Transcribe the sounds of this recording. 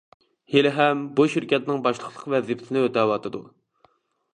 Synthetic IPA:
helɪɦɛmbuʃiɾkʲɛt̪nɪŋbɑʃlˠəqlˠəqvɛzipʰɪt̪ʰɪnɪøt̪ɛːwɑt̪ʰɨd̪u

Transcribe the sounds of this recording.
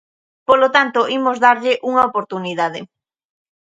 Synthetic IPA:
polot̪ant̪oʔimozðaɾʎɪʔuŋɐopoɾt̪uniðað̞ɪ̰

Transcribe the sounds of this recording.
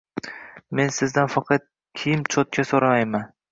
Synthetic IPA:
me̞nsɪzd̪anfɑqʰɑt̪̚ | kʲʰijɪmt͡ʃʰot̪̚kʲasoɾamajman

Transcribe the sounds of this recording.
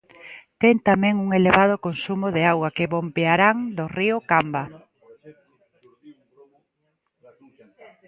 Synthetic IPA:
t̪ɛŋt̪amɛ̃ŋuŋeleβað̞ʊkonsumʊðeawakeβombeaɾaŋd̪oriʊkamba

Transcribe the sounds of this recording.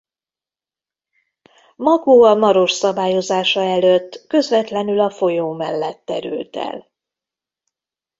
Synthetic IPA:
mɒɡoːɒmɒɾo̞ʃsɒbaːjo̞zaːʃɒɛløt̪ːkø̞zvɛt̪lɛnylɒfo̞joːmɛlːɛt̪ːɛɾy̰lt̪ɛ̰l

